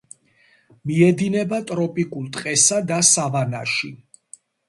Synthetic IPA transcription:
miɛd̪inɛbat̪ʼɾɔpʼikʼulˠt̪ʼqʼɛsad̪asavana̰ʃi

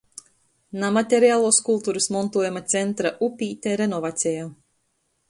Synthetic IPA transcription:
namat̪ʲeɾiaːlˠuːskulˠt̪uːɾɨsmɔnt̪uɔjamat̪sʲɛnt̪ɾaʔupʲiːt̪ʲeɾenɔvat̪sʲɛjaː

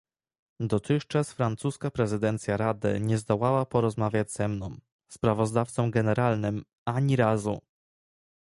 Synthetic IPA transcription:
d̪ɔt̪ɘxt͡ʂasfɾant̪suskapɾɛzɘd̪ɛnt̪sʲjaɾad̪ɘ̰ɲɛzd̪ɔwawapɔɾɔzmavʲjad͡ʑz̥ɛmnɔ̃w̃ | spɾavɔzd̪aft̪sɔ̃mɡɛnɛɾalnɘm | aɲiɾazu

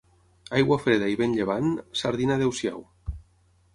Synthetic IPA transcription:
ajɣwafɾeðaiβenʎeβ̞ansaɾðinaðewsja̰w

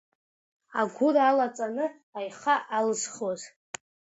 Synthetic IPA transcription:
aɡʷʊralat͡sʼanɨ | ajχaʔalɨsχoz

